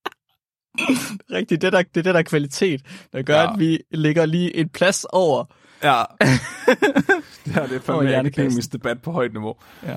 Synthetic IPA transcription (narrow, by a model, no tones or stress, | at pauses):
ʁeɡ̥̚d̥id̥edæd̥e̝d̥ed̥æɐkʰʋælit͡sʰe̝̰ːd̥d̥ɑɡ̥ɶɐɐæd̥ʋile̝ɡ̥ɐliːʔe̝npʰlæsɒʊ̰ɐ | jæ | d̥eæd̥efɒæɐnəkʰemisd̥e̝b̥æd̥̚pʰɒ̽hɒ̽ɪd̥niʋo̝ː | jæ